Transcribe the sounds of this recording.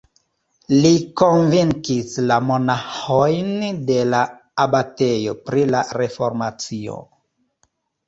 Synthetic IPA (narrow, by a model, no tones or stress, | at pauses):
liko̞nviŋkislamonaxojnde̞laː | bate̞jo̞pɾilaɾe̞fo̞ɾmat͡sio̰